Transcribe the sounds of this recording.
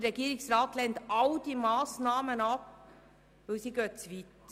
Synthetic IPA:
əɾɛɡiːɾɪksɾɑːtlɛnt̪ɑld̥imɑːsnɑːmənɑp | ʋɪlsiɡøːtt͡sʋit̪

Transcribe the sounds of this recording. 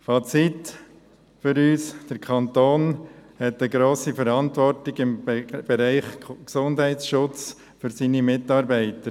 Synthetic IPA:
fɑt͡sit | fʏɾyːsd̥əɾkʰχɑnt̪oːnhɛtəɡɾoːsifəɾɑntʋɔɾtɪɡɪmb̥ɛɾæɪχksʊndɦɛɪtsʃʊt͡s | fʏɾsinimɪtɑːɾbæɪtəɾ

